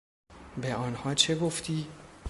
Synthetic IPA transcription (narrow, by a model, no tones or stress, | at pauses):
beɒːnhɒːt͡ʃʰe̞ɡoft̪ʰiː